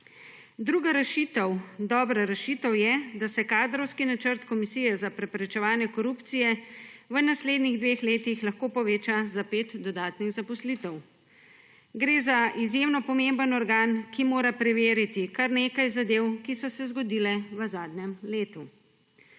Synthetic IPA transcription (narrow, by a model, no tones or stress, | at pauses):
d̪ɾuːɡaɾɛʃit̪ɔwd̪ɔːbɾaɾɛʃit̪ɔwjɛd̪asɛkaːd̪ɾɔwskinat͡ʃəɾt̪kɔmisijɛzapɾɛpɾɛt͡ʃɛʋaːnjɛkɔɾupt̪sijɛʋənasleːd̪niɣd̪ʋeːxleːt̪ixlaxkoːpɔʋeːt͡ʃazapeːt̪d̪ɔd̪aːt̪niɣzapɔslit̪ɛw | ɡɾeːzaʔizjemnɔpɔmembənɔɾɡaːnkimoːɾapɾɛʋeːɾit̪ikaɾneːkajzad̪eːwkisɔsɛzɡɔd̪iːlɛʋəzaːd̪nɛmleːt̪u